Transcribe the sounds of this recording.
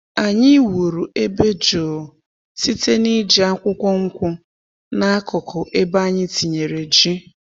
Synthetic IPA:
a˨ɲɪ˦wu˨ɾu˨ʔe˦be˦d͡ʒoː˨ | si˦te˦ni˦d͡ʒi˨a˦kʷʊ˦kʷɔ˦ŋ̩˦kʷʊ˦ | na˦a˦kɔ˨kʰʊ˨ʔe˦ba˦ɲɪ˦ti˨ɲe˨ɾe˨d͡ʒi˦

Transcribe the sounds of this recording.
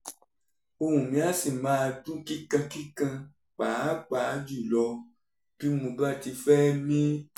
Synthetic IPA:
o˧hũ˨mĩ˨˦a˦si˨mãː˨˦a˧dũ˦ki˦kã˧ki˦kã˧ | k͡pa˨˦k͡pa˨˦d͡ʒu˦˨lɔ˧ | b̥i˦mũ˧ba˦˨ti˧fɛ˦mĩ˦

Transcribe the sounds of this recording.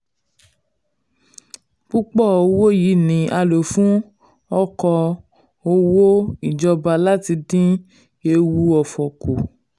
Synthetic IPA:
k͡pu˦k͡pɔ˦˨o˧wo˦ji˨˦nĩ˨˦ʔa˧lo˨fũ˦ | ɔ˦kɔ˧ | o˧wo˦i˦˨d͡ʒɔ˧ba˧la˦ti˧dĩ˦ | e˧wu˧ɔ˨fɔ˨ko˨

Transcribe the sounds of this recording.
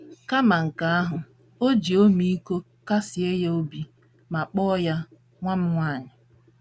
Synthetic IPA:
ka˦ma˨ŋ̩˨ka˨a˦ɦʊ˨ | o˦d͡ʒi˨o˦mi˦i˦ko˦ | ka˦sɪ˨e˦je˦o˦bi˨ | ma˨k͡pɔː˦ja˦ | ŋʷa˦m̩˦ŋʷaː˦˨ɲɪ˨

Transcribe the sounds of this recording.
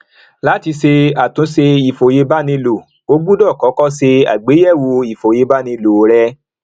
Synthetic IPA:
la˦ti˧se˧a˨tũ˨˦se˧i˨fo˨je˧ba˦nĩ˧lo˨ | o˦ɡu˦dɔ˦˨kɔ˨˦kɔ˦se˧a̰˨ɡ͡be˨˦jɛ˦˨wo˧i˨fo˨je˧ba˦nĩ˧lo˨˦ɾɛ˦

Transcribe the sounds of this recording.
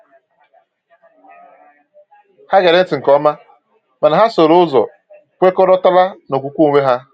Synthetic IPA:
ha˦ɡe˨ɾe˦n̩˦tɪ˨ŋ̩˨kɔ˦ma˦ | ma˨na˨ɦa˦so˨ɾʊ˦ʊ˦zɔ̰˨ | kʷe˦ko˦ɾɔ˦ta˦la˦no˨kʷu˨kʷu˦˨ŋʷe˦ɦa˦

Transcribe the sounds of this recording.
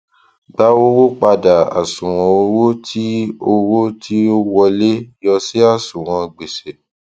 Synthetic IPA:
ba˦wo˦wo˦k͡pa˧da˨a̰˨sũ˨w̃ɔ̃˧o˧wo˦tʰi˦o˧wo˦tʰi˦o˦wɔ˧le˦jɔ˧si˦a˦˨sũ˨w̃ɔ̃˧ɡ͡be˨se˨

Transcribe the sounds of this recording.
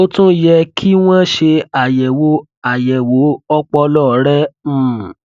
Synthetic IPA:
o˦tũ˦jɛ˧kʰi˦w̃ã˦ʃe˧a˨jɛ˨wo˨˦ | a˨jɛ˨wo˨˦ɔ˦k͡pɔ˧lɔ˦˨˦ɾɛ˦˨

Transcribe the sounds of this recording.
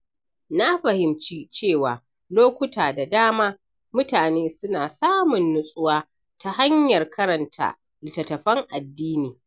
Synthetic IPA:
na˦ɸɐ˨hɪ˨mt͡ʃiː˦t͡ʃeː˦˨waː˨ | loː˦kʷʊ˦tʰaː˨da˨daː˦maː˦ | mʊ˦taː˨neː˦sʊ˦naː˨saː˦mʊ˨nːʊ˦sʼʊ˦waː˦ | ta˦ha˦ɲjɐ˨rkʰɐ˦ɾɐ˨ntʰa̰˦˨ | lɪ˨tɐ˨tɐ˨ɸɐ˦ŋʔa˨dːiː˦niː˨

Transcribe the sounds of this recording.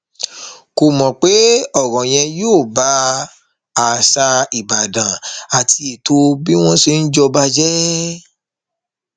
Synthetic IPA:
ko˨mɔ̃˨k͡pe˨˦ɔ˦˨ɾɔ̃˨j̃ɛ̃˧joː˦˨ba˨˦ | a˨sa˧i˨ba˨dã˨a˨tʰi˧i˨to˧˦bi˦w̃ɔ̃˦se˧n̩˦d͡ʒɔ˧ba˦d͡ʒɛ˦

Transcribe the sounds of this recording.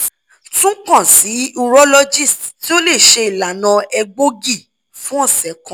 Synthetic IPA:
tũ˦k͡pã˦˨si˨˦u˧ɾɔ˦lɔ˦d͡ʒi˦˨stti˦o˦le˦˨ʃe˧i˨la˨nã˧ɛ˧ɡ͡bo˦ɡi˦˨ | fũ˦ɔ˦˨sɛ˨˦kã˨˦

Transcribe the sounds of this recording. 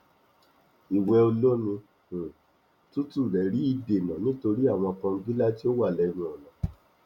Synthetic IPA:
i˨wɛ˧o˧lo˦nĩ˧˨ | tu˦tu˦˨ɾɛ˨˦ɾi˨˦i˦˨de˨nã˨nĩ˦to˧ɾi˦a˦˨w̃ɔ̃˧kã˧ŋ̩˦ɡi˦la˦ti˦o˦wa˦˨lɛ˧nũ˧ɔ˨nã˨˦

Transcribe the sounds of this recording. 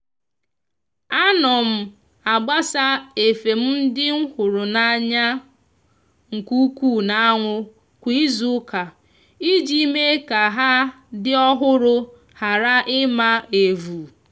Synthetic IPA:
a˦nɔ˨m̩˨ | a˨ɡ͡ba˦sa˦e˨fe˨m̩˦n̩˦dɪ˦ŋ̩˦hʊ˨ɾʊ˨na˨ɲa˦ | ŋ̩˨ku˦kuː˦˨na˦ŋʷʊ˦ | kʷi˦zu˦ka˨ | i˦d͡ʒi˦me˦ka˨ɦa˦ | dɪ˦ɔ˦ɦʊ˦ɾʊ˦ | ha˨ɾa˦ʔɪ˦ma˦e˨vu˨

